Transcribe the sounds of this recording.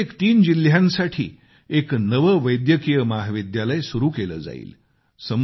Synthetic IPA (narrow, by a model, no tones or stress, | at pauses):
ekt̪iːnd͡ʑil̤jãnsaʈʰḭː | eknəʋəʋəjd̪jəkijəmaɦʋid̪jaləjsuɾuːkelə̰ːd͡za̰ḭːl | səm